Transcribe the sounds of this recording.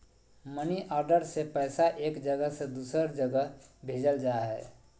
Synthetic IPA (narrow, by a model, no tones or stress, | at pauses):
məniʔɔɾɖəɾsepəɪsaʔeːkd͡ʒəɡəɦsed̪usəɾd͡ʒəɡəɦbʱed͡ʒəld͡ʒaɦɛ̰